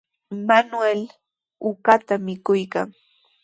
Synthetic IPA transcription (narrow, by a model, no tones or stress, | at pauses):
manwel | ʊkat̪amɪkʊjkaŋ